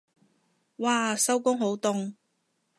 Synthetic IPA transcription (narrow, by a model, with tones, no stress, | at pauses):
waː˧sɐ˥wkʊ˥ŋɦo˨˥wt̪ʊ˧ŋ